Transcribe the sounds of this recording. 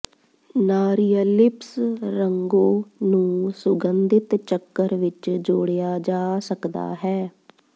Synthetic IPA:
naːɾijəlɪpsɾəŋɡoːnũːsʊɡənd̪ɪt̪t͡ʃəkːəɾʋɪt͡ʃd͡ʒoːɽejaːd͡ʒaːsəkd̪a̰ːɦɛː

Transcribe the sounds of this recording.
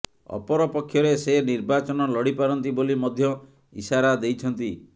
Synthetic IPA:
ɔ̰pɔɾɔpɔkʰːjɔɾeseniɾbat͡ʃɔnɔlɔɽipaɾɔnt̪ibolimɔd̪ʱjɔ | ḭsaɾad̪ejt͡ʃʰɔnt̪i

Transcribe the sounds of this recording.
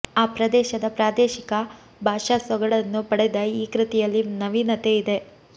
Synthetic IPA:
aːpɾɐd̪ɛːʃɐd̪ɐpɾaːd̪eːʃikɐ | bʱaːʂasʋɐɡɐɭɐnːupɐɽɛd̪ɐiːkɾit̪ijɐlːinɐʋinɐt̪eid̪e̞

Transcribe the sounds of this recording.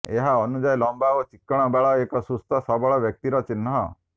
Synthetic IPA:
ḛɦaɔnud͡ʒajlɔmbaʋot͡ʃɪkːɔɽ̃ɔbaɭɔekɔsust̪ɔsɔbɔɭɔʋjək̚t̪iɾɔt͡ʃɪnːɦɔ̰

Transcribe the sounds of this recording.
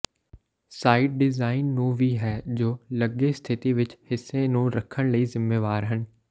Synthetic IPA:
saːɪʈ̚ɖɪzaːɪnːũːʋiɦɛːd͡ʑoːlɐɡest̪ʰɪt̪iʋɪt͡ʃhɪsːenũɾɐkʰəɽ̃ləiːzɪmːeːʋaːɾɦənɪ̆

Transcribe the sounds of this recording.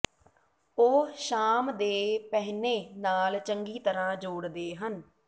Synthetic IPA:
oːʃaːmd̪eːpɛɦneːnaːlt͡ʃəŋɡiːt̪əɾãːd͡ʒoːɽd̪eːɦən

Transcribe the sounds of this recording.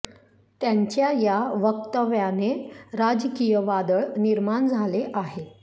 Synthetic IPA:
t̪jaɲt͡ɕjajaʋək̚t̪əʋjaneɾad͡zkijəʋad̪əɭniɾmaɳd͡zʱaleʔaɦe

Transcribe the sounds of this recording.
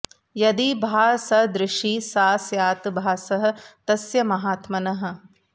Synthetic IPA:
jɐd̪ibʱaːsɐɦd̪ɾɪʃiːsaːsjaːt̪bʱaːsɐɦɐ̆t̪ɐsjɐmɐɦaːt̪mɐnɐɦɐ̆

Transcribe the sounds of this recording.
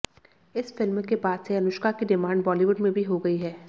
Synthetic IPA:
ɪsfɪlmkebaːd̪seɐnʊʃkakiɖɪmãːɳɖ̚bɔːliʋʊɖmẽbʱiɦoɡɐiɦɛː

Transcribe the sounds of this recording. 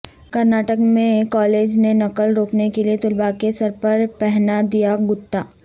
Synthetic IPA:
kɐɾnaːʈəkmẽkɔːleːd͡ʒnenɐkəlɾoːknekeliet̪ʊlbakesɐɾpɐɾpɛɦnad̪ijaɡʊt̪ːaː

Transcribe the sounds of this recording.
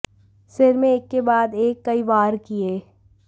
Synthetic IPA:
sɪɾmẽeːkːebaːd̪eːkːɐiʋaːɾkieː

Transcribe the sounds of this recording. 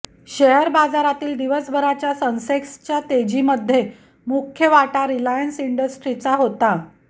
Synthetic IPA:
ɕeɦəɾbad͡zaɾat̪iːld̪iʋəsbʱəɾat͡ɕjasənsekst͡ɕjat̪ed͡ʑiːməd̪ʱːje | mukʰjəʋaʈaɾilajənsiɳɖəsʈɾit͡saɦot̪a

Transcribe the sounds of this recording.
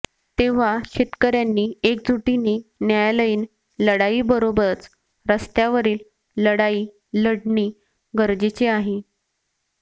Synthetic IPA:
t̪eʋ̤aɕit̪kəɾjanːiːek̚d͡zʱuʈiniːnjajaləiːn | ləɽaiːbəɾobəɾət͡s | ɾəst̪jaʋəɾiːl | ləɽaiː | ləɽɳiː | ɡəɾd͡ʑet͡ɕeaɦe

